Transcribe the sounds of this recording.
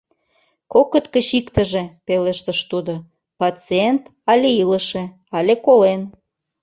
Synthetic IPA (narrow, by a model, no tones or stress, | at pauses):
kokːə̆t̪kə̆ɕikt̪ə̆ʒepelə̆ʃt̪ə̆ʃt̪ud̪o | pɑt͡sient̪ɑlʲeilə̆ʃe | ɑlʲekolen